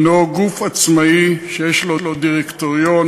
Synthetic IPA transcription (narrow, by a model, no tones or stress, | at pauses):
noɡufat͡smaiʃejeʃlolodiʁekt̪oʁjon